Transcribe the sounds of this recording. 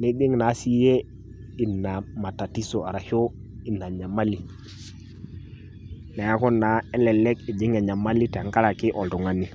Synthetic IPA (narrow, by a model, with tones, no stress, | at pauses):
ni˦ɗɪ˦ŋna˨˦si˦je˦ | i˨nːa˨ma˨ta˨ti˦so˨a˨ɾa˨ho˦ | i˨nːa˨ɲa˨ma˦li˨ | na˨a˦kɔ˦nːa˨˦ɛ˦lɛ˨lɛ˦ki˨d͡ʒɪ˦ŋa˨ɲa˨ma˦li˦tɛ˨a˨ŋka˦la˨kɪ˦ʔɔ˨ltɔ˨ŋa˦ni˦˨